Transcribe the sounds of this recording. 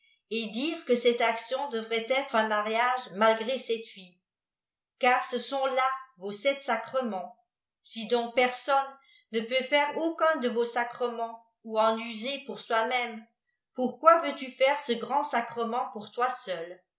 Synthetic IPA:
ed̪iʁkəsɛt̪aksjɔ̃d̪əvʁɛt̪ɛt̪χɛ̃maʁjaʒmalɡʁesɛt̪fi | kaːʁsəsɔ̃lavosɛt̪sakχəmɑ̃ | sid̪ɔ̃k̚pɛʁsɔnː | əpøfɛʁokɛ̃d̪əvosakχəmɑ̃ | uɑ̃nyzepuʁswamɛm | puʁkwavøt̪yfɛʁsəɡʁɑ̃sakχəmɑ̃puʁt̪wasœl

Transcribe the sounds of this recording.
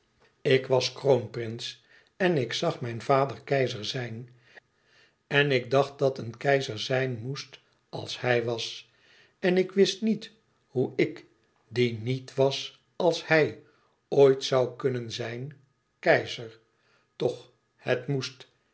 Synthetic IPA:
ɪkʋɑskrownprɪns | ɛnɪksɑχmɛjnvaːdəɹkɛjzəɹzɛjn | ɛnɪɡ̚dɑχt̚dɑtənkɛjzəɹzɛjnmust | ɑ̰lˠshɛjʋɑs | ɛnɪkʋɪstnit | huɪk | dinitʋɑs | ɑlˠshɛj | ojtsɑwkɵnənzɛjn | kɛjzəɹ | tɔχ | hətmust

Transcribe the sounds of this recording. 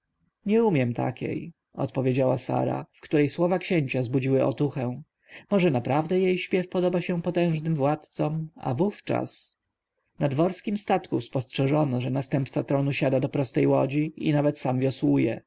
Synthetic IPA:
ɲɛumʲjɛmt̪ʰa̰kʲḛj | ɔ̰t̪pɔvʲjed͡ʑawasa̰ɾa̰fkt̪uɾɛjswɔvakɕeɲt͡ɕazbud͡ʑiwɘʔɔ̰t̪uxɛ̃ | mɔʐɛnapɾavd̪ɛjejɕpʲjɛfpɔd̪ɔbaɕɛpɔt̪ɛ̃w̃ʐnɘmvwat̪t̪sɔma̰vuft͡ʂa̰s | nad̪vɔɾskʲimst̪at̪kuspɔstʂɛʐɔnɔʐɛnast̪ɛmpt̪sat̪ɾɔnuɕad̪ad̪ɔpɾɔst̪ɛjwɔd͡ʑiḭnavɛt̪samvʲjɔswujɛ

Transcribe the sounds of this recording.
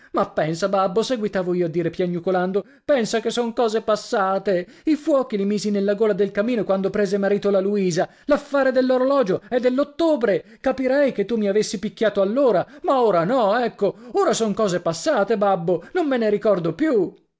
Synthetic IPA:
mapːɛnsababːoseɡwit̪aːvoiːoad̪ːiːɾepjanːukoland̪o | pɛnsakesːoŋkɔːzepasːaːt̪eifwɔːk̟ilimiːzinelːaɡoːlad̪elkamiːnokwand̪opɾeːzemaɾiːt̪olaluiːza | lafːaːɾed̪elːoɾolɔːd͡ʒoɛd̪ːelːot̪ːoːbɾe | kapiɾɛjket̪ːumiavesːipikʲːaːt̪oalːoːɾamaoːɾanɔɛkːooːɾasoŋkɔːzepasːaːt̪ebabːonomːeneɾikɔrd̪opju

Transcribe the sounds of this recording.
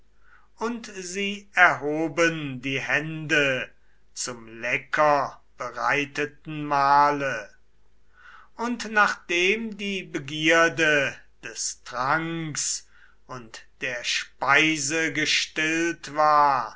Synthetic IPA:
ʊntziːɛɐɦoːbəndiːhɛndə | t͡sʊmlɛkʰɐb̥əʁa̰ɪtət̚n̩maːlə | ʊntnaːχd̥eːmdiːbəɡiɐdəd̥ɛstʁaŋks | ʊntd̥eːɐʃpaɪzəɡəʃtɪltv̥aːɐ

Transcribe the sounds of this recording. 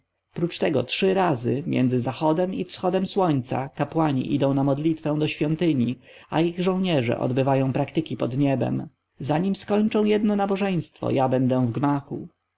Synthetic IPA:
pɾut͡ʂt̪ɛɡɔ̰tʂɘɾazɘmʲjɛ̰nd̪zɘzaxɔd̪ɛmifsxɔd̪ɛmswɔɲt̪sa̰kapwaɲḭʔid̪ɔ̃w̃namɔd̪lʲit̪fɛ̃w̃d̪ɔɕfʲjɔnt̪ɘɲi | a̰iɣʐɔ̃w̃ɲɛʐɛ̰ʔɔ̰d̪bɘvajɔ̃w̃pɾakt̪ɘkʲipɔd̪ɲɛbɛ̰m | zaɲimskɔɲt͡ʂɔ̃w̃jɛd̪nɔnabɔʐɛj̃st̪fɔ̰jabɛnd̪ɛw̃vɡmaxṵ

